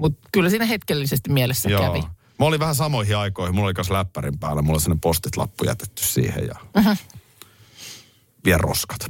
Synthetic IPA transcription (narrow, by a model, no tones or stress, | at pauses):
mut̪kylːæsiːnæhet̪kelːisest̪imielesːæjokæʋi | mæoliʋʋæhæsɑmoihiɑikoihimulːolikɑnslæpːæɾimpæːlːæmulːolisinːepost̪it̪lɑ̰pːujæ̰t̪e̥t̪ːy̥ssḭːhḛjjɑ̰m̩m̩ | ʋiɛlro̰skɑ̥t̪